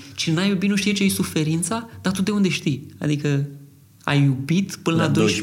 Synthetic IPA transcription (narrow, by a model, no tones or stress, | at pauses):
t͡ʃinajubit̪nuʃt̪ijet͡ʃejejsufe̞ɾint̪sad̪̥at̪ot̪d̪eund̪e̞ʃt̪ija̰d̪ikə | a̰jːubit̪pɨnəlad̪oʃ